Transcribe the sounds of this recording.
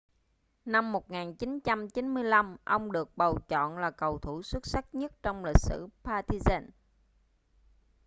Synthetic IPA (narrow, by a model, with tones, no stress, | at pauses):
na˧mːo˨˩t̚ŋaː˨˩nt͡ɕi˨˦nt͡ɕa˧mt͡ɕi˨˦nmɨ˧əjla˧mʔə˧wŋ͡mɗɨ˨˩ək̚ɓə˨˩wt͡ɕɔ̰˧˨nlaː˨˩kə˨˩wt̪ʰu˧˩swə˦˥t̚sa˦˥k̚ɲə˦˥t̚t͡ɕɔ˧wŋ͡mli˨˩k̚sɨ̰˧˩paː˧t̪i˧zaː˧n